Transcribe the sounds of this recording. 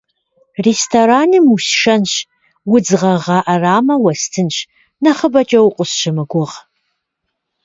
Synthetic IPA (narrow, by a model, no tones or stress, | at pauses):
restʰoɾaːnɨmuɕʃɐnɕ | wʊd͡zʁɐʁɑːʔɐraːmɐwɐstʰɨnɕ | nɐχəbɐt͡ʃʼɐwqʷʼʊsʃɪmɨɡʷʊʁ